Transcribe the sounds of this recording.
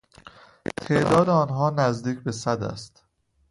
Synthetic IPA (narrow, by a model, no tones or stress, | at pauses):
t̪ʰe̞ʔd̪ɒːd̪eɒːnɦɒːnæzd̪iːcʰbesæd̪æ̰st̪